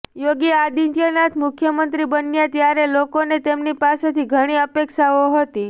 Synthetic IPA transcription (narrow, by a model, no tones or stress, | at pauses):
joɡiad̪int̪jənat̪ʰmʊkʰjəmənt̪ɾibənːjat̪jaɾelokonet̪emnipaset̪ʰiɡʱəɽ̃iəpekʃaoɦət̪i